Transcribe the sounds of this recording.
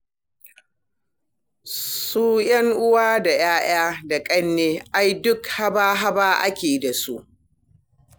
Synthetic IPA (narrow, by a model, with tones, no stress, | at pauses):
suː˦jɐ˦ŋʔʊ˦waː˦da˨jaː˦j̰aː˦da˨kʼɐ˦nːeː˦ʔa˦jdʊ˦kha˦baː˦ɦa˦baː˦ʔa˦kʲeː˨da˨su˦ʔ